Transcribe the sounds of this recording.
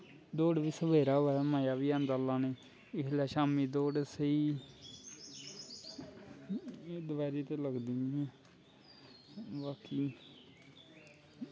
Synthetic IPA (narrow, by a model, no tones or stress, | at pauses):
d̪oːɖʋiːsəbeːɾaːoɛːmaːjaːʋiːãnd̪aːlaːneː | ɪɦlɛːʃaːmiːd̪oːɖsəiː | d̪baːɾiːt̪eːləɡd̪iːĩː | baːkiː